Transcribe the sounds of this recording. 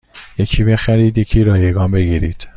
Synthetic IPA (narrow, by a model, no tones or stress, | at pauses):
jecʰiːbe̞xæɾiːd̪jecʰiːɾɒːjeɡɒːnbe̞ɡiːɾiːd̪̥